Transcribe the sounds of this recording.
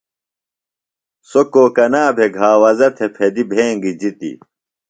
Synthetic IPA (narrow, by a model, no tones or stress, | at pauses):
sokoːkɐnaːbʱeɡʱaːwɐzɐt̪ʰepʰed̪ibʱeːŋɡid͡ʑit̪ḭ